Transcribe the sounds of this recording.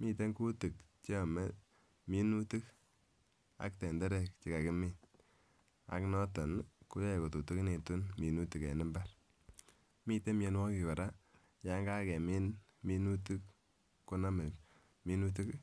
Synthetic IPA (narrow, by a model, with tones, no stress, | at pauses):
mi˦te˦ŋku˦ti˨k̚t͡ʃːmɛ˦ | mi˦nu˦tu˦k | a̰˨˦k̚tɛ˨ndɛ˦ɾɛ˦˨k̚t͡ʃi˨ka˨kɪ˦mɪ˦n | a̰˨knɔ˦tɔ˨nku˦jɔ˦˨ko˨tu˨tu˦ki˦ne˨tu˦nmi˨nu˦tu˨kɛ̰˨nɪ˦mba˦ | mi˦te˦m˦e˧nwɔ˦kɪ˨ka˨ɾa˦ | ja˦ŋɡa˦kɛ˨mi˦n | mi˦nu˦tu˦k | ko˦na˦me˨ | mi˦nu˦t̬u˦k